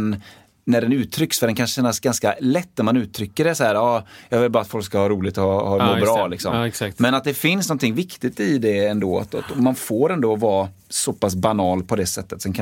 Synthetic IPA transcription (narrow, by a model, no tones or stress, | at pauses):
nː | æɖɛnʉ̟ːt̪ʰɾʏksfœɖɛnkʰanɕɛnːasɡanskalɛt̪ːæɾmanʉ̟ːt̪ʰɾʏkːəɖɛsɔhæːɾɑːjɑːɡvɪlbɑːɾat̪fɔlkskahɑːɾuːlɪɡ̚t̪ɔhɑhɑːɡoɾbɾɑːlɪksɔ̰msakt̪mɛnat̪̚d̪ɛfɪnsnɔnt̪ʰɪŋvɪkt̪ɪɡt̪ɪd̪ɛɛnd̪oːa̰t̪a̰t̪ɔmanfoːɾɛnd̪ɔvɑː | sɔpas̬banɑːlpʰɔd̪ɛsɛt̪ːət̪sɛnkʰa